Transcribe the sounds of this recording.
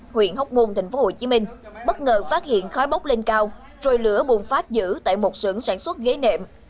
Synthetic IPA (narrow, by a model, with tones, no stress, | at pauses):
hwḭ˧˨ənhə˦˥wk͡p̚mu˧nt̪a˨˩ŋ̟fo˨˦ho˧˩t͡ɕi˨˦mï˧ŋ̟ɓə˦˥t̚ŋəː˨˩faː˦˥t̚hḭ˧˨ənxɔ˨˦jɓa˦˥wk͡p̚le˧nkaː˧w | t͡ɕo˨˧˩jlɨ˧˩əɓu˨˩ənfaː˦˥t̚zɨ̰˧˥t̪a̰ː˧˨jmo˨˩t̚sɨ̰˧˩əŋsaː˧˩nswə˦˥t̚ɣe˨˦nḛ˧˨m